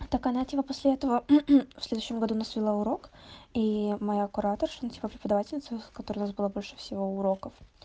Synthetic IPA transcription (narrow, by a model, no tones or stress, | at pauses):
t̪akɐnatʲipəposʲlʲɪɛt̪əvəfsʲlʲed̪ʊʉɕːɪmɡɐd̪uːnasvʲɪlˠaʊɾo̞kimɐjakʊɾat̪ərʂɐntʲipəpɾʲɪpəd̪ɐvatʲɪlʲnʲɪt̪səkɐt̪oɾəjʊnasbɨlˠabo̞lʲʂɨ̥fsʲɪvo̞ʊɾo̞kəf